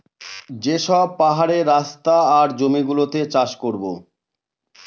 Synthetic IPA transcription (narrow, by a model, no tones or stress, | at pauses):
d͡ʑeʃɔb̚paɦaɾeɾast̪aaɾd͡ʑomiɡulot̪et͡ɕaʃkoɾbo